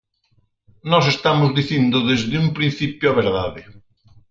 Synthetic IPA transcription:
nɔsest̪amʊzðiθind̪ʊðezðɪumpɾĩn̟θipjoaβ̞eɾðaðɪ

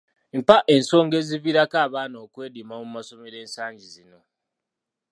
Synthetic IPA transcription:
m̩paʔe̞nso̞ːŋɡe̞ziβiɾakaːβaːnoːkwe̞ːdimamumaso̞meɾe̞ːnsaːɲɟizino̞

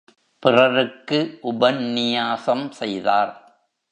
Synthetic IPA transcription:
pɪrɐɾɯkːɯʔʊbɐnːɪjaːsɐmsɛjðaːɾ

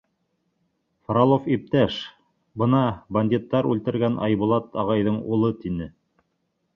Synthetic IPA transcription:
fɾalˠofip̚t̪æʃ | bɤnɑbɐnʲd̪ʲit̪ːɑɾʉlt̪ɘ̆ɾɡænʔɑ̰jbulˠɑt̪ɑʁɑjðɤɴulˠɤt̪inɘ

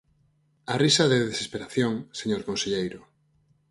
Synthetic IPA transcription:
arisaðeðesespeɾaθjoŋseɲoɾkõnseʎejɾʊ

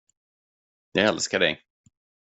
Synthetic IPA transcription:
jɑɡɛlskaɖɛ̰j

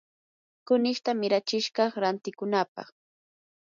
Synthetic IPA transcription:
kʊnɪʃt̪amɪɾat͡ʃɪʃɢɑχɾant̪ɪkʊnapɑ̰χ

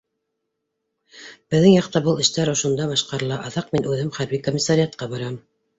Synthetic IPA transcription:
b̥ɘ̆ðːɘŋjɑqt̪ɑbɤlˠɘ̆ʃt̪æɾŏʃŏnd̪ɑβɑʃqɑɾɤ̆lˠɑʔɑðɑq̚minʔʉðɘmχæɾβikomʲːɪsaɾʲɪat̪̚qɑbɑɾɑm

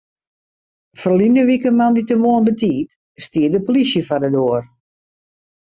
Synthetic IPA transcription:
fərlinəʋikəmanditəʋoənbətiːt | stiədəpolisjəfadədoər

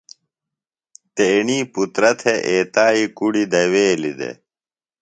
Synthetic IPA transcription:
t̪eːɳiːput̪ɾɐt̪ʰeʔeːt̪aːikuɽid̪ɐweːlid̪ḛ

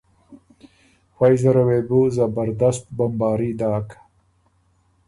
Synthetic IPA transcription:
xajzaɾawebuzabaɾd̪ast̪̚bambɑːɾid̪ɑːkḁ

